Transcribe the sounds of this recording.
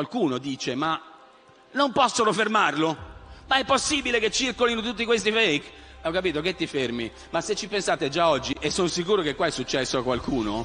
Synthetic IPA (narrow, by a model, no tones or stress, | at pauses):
kwalkuːnod̪iːt͡ʃema | nompɔsːonofermarlomaɛpːosːiːbileket͡ʃːirkolinot̪ut̪̬ːikwest̪ifejk | ɔkːapiːt̪oket̪ːifermi | masːet͡ʃːipensaːt̪ed͡ʒaɔd͡ʒːiʔesːonosikuːɾokekːwaɛsːut͡ʃːɛsːoakːwalkuːno